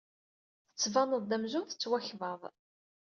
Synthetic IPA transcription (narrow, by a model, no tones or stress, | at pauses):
θət͡sːvɑnəðˤðæmzʊmθə̥t͡sːwæçvəðˤ